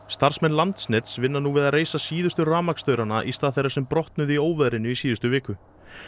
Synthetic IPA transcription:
st̪aɾ̥smɛnlant̪snɛt̪svɪnːanuːvɪðaðreːjsasiːðʏst̪ʏraːmakst̪œɥɾanaʔist̪aːθejɾaɾsɛmpɾɔht̪nʏðioːwvɛðɾɪnːʏisiːðʏst̪ʏvɪːkʏ

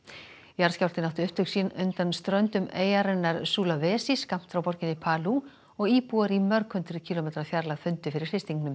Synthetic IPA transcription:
jaɾ̥scawlt̪ɪnawht̪ʏʏht̪hʏksinʏnt̪anst̪ɾœɥnt̪ʏmeːjaɾɛnːaɾsuːlavɛːsiskam̥t̪fɾawpɔɾcɪnɪpʰaːlu | ɔɣiːpuaɾimœɾkʰœnt̪ʏɾʏcʰiːlɔmeːt̪ɾafjaɾlaɣfʏnt̪ʏfɪɾɪɾ̥fɪst̪iŋknʏm

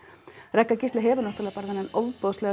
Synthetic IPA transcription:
rɛkːacɪst̪lɪɦɛːvanɔht̪aɾɛɣpaɾðɪnɛnowvpɔðslɛːɣ

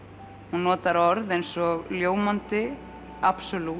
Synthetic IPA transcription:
hunːɔːt̪aɾɔɾðejnsɔɣljoːwmant̪ɪ | apsɔlu

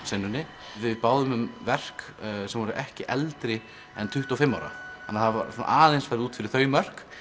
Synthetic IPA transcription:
senːʏnːɪ | vɪðpaːwðʏmʏmvɛr̥k | sɛmvɔɾʏʔɛhcɪʔɛlt̪ɾɪ | ɛ̰nt̪ʰʏht̪ɔfɪmːa̰wɾa̰a̰nːaθava̰ɾsuna̰ʔaːlejnsfaɾɪuːt̪fɪɾɪɾ̥θœːɥjmœr̥k

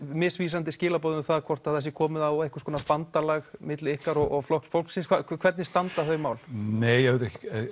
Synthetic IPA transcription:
mɪsviːs̬ant̪ɪscɪːlapɔːðɪnɪθaðkʰvɔr̥t̪aðθɛsjɪkʰɔːmɪðawehkʏ̥ɾ̥kɔːnaspant̪alaɣmɪt̪lɪɪhkaɾɔɣɔɣflɔhksfowlksɪnskʰakkʰvɛɾt̪nɪst̪ant̪aθœɥmaːwl̥neːjɛɣvɪt̪ɛhcɪ̥

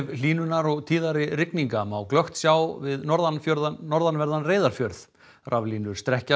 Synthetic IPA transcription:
vliːnʏnaɾɔɣt̪ʰiːðaɾɪɾɪkniŋkamawklœxt̪sjaːwvɪðnɔɾðanfœɾðanːɔɾðanvɛɾðanreːjðaɾ̥fjœɾð | rʔavliːnʏɾ̥st̪ɾɛhca

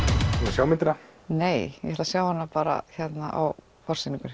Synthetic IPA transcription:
t̪ːasjaːwmɪt̪ɾaneːjjɛ̰ɛt̪asjaːwhanːapaːɾa̰çɛt̪naʔa̰w | fɔr̥sinĩŋkʏɾ̥

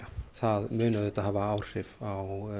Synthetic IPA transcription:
aθaðmʏːnʏðʏt̪ahaːvaaːwr̥r̥ɪvaw

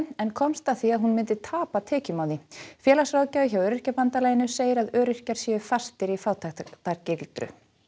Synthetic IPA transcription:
ɛnkʰɔmst̪aθiaðɦunmɪnt̪ɪt̪ʰaːpat̪ʰɛːcʏmaːwðifjɛːlasrawcaːʏçawœːɾɪr̥capant̪alaːjɪnʏseːjɪɾaðœːɾɪr̥caɾ̥sjɛːʏfast̪ɪɾifaːwt̪ʰat̪aɾcɪlt̪ɾʏ̰

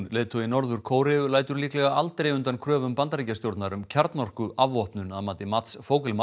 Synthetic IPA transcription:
lɛːt̪ʰɔɪnɔɾðʏɾ̥kʰoːwɾɪʏlaːjt̪ʏɾliːklɛɣaalt̪ɾejʏnt̪ankʰɾœːvʏmpant̪aɾiːcast̪jowɾt̪naɾʏmcʰaɾt̪nɔr̥kʏʔavɔhpnʏnaðmaːt̪ɪmat̪sfoːwkɪlma

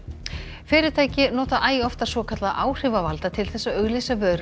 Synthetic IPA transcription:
fɪːɾɪt̪ʰaːjcɪnɔːt̪aʔaːjɔft̪ḁsvɔːkʰat̪laðʔaːwr̥ɪvavalt̪at̪ʰɪlθɛsːaœɣlisavœːɾ

